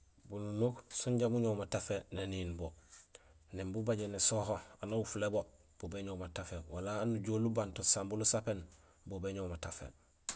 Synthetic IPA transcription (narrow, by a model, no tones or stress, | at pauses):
bununoksuɲɟamuɲomatafeneniːnbo | nembubaɟenesohoanawufulebo | b̥obeɲomatafewalaːnuɟolubantosambulusapen | bobeɲomatafḛ